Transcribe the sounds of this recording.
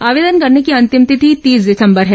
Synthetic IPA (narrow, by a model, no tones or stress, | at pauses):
aːʋeːd̪ənkɐɾnekiɐ̃nt̪ɪmt̪ɪt̪ʰit̪iːsd̪ɪsə̃mbəɾɦɛː